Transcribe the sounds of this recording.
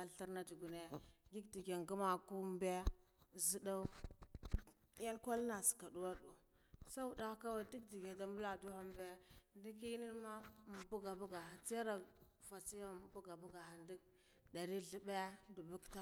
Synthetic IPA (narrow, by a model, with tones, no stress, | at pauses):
a˨ɬi˦ɾna˦di˨ɡu˨ne˨ɡi˦kdi˨ɡe˨ŋɡu˦ma˨ku˦mbe˦zi˦da˦ | a˦nkʷa˦lna˨si̥˨ka˨du˦wa˦du˨ | sa˦u˨da˦ka˦wa˨di˦k̚di˨ɡe˨da˨mbu˦la˨du˦ha˦mbe˦ndi˦ki˦ni˦n˦ma˦m˨bu˦ɡa˨bu˦ɡa˨a˨t͡si˦a˦ɾa˨ | va˨t͡si˦ja˦m˨bu˦ɡa˨bu˦ɡa˨ha˨ndi˦k | da˨ɾi˦ɮi˨be˦du˨bu˦kta˦